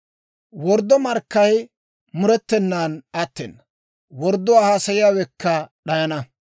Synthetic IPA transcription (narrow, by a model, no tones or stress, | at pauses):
wɔɾd̪ːɔmɐɾkːɐj | mʊɾɛt̪ːɛnːaːnɐt̪ːɛ̰nːɐ | wɔɾd̪ːʊwaːhaːsɐjɪjaːwɛkʰːɐɗɐjɐnɐ